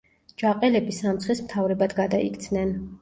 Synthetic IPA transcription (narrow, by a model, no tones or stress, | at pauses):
d͡ʒaqʼɛlɛbisamt̪sʰχismt̪ʰavɾɛbad̪ʰɡad̪aḭkt̪sʰnɛn